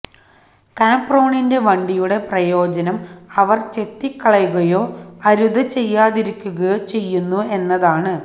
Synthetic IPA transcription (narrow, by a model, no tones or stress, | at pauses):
kaːmpro̞ːɳinde̞ʋɐɳɖijuɽe̞prɐjo̞ːd͡ʑɐnɐmɐʋɐrt͡ɕe̞t̪ːikːɐɭɐjuɣɐjo̞ːɐɾud̪ɐt͡ɕe̞jːaːðiɾikʲːuɣɐjo̞ːt͡ɕe̞jːunːue̞nːɐðaːɳɨ